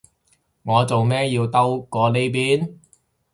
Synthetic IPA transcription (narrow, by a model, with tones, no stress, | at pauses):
ŋɔː˨˧t͡so˨wmɛː˥jiː˧wt̪ɐ˥wkɔː˧le˥jp̬iː˥n